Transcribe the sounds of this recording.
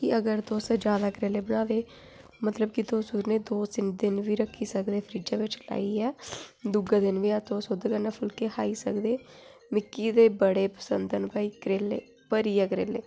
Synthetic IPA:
kɪəɡəɾt̪oːsd͡ʒjaːd̪aːkɾeːleːbənaːd̪eː | mət̪ləb̚kɪt̪oːsuːɾneːd̪oːsɪnd̪ɪnʋiːɾəkʰːiːsəkd̪eːpʰəɾiːd͡ʒaːʋɪt͡ʃla̰ːiːɛːd̪ʊɡaːd̪ɪnʋiːat̪oːsod̪kəɾnaːpʰʊlkeːhaːiːsəkd̪eːmɪkːiːd̪eːbəɽeːpə̥sə̰nd̪ənpaːiːkəɾeːlḛː | pəɾiːaːkɾeːlḛː

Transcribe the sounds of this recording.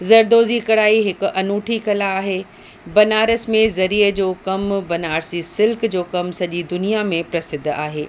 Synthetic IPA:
zɐɾd̪oːzikɐɽaːiɦɪkʊ̆ʔɐnuːʈʰikɐlaːɦeː | bɐnaːɾəsmẽzɐɾiːəd͡ʑoːkɐmbɐnaːɾsisɪlkd͡ʑoːkɐmsɐʄid̪ʊnijamẽpɾɐsɪd̪ʱa̰ːɦeː

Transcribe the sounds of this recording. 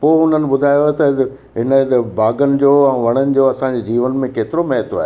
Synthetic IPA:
poːɦʊn̤ənɪ̆bʊd̪ʱaːjoet̪ɐ | ɦɪnəbaːɡənɪ̆d͡ʑoːɛ̃ːʋɐɽ̃ənɪ̆d͡ʑoːɐsãd͡ʑeːd͡ʑiːʋənmẽkeːt̪ɪɾomɛɦət̪ʰoaːɦe

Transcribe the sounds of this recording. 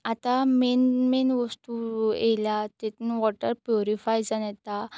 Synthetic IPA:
at̪amenmenʋəst̪ueljat̪et̪unʋɔʈəɾpjuɾifajd͡zanɛt̪a

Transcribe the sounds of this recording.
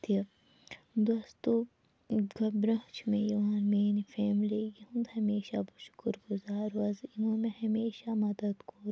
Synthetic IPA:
t̪ʰe | d̪oːst̪oː | ɡɐbɾɐ̃ɦt͡ʃʰmẽjɐʋaːnmeːnifeːmliːɡiɦũnd̪hɐmeːʃabɐʃʊ̥kəɾɡʊzaːɾuɐzinõːmẽhɐmeːʃamɐd̪ɐd̪koːɾ

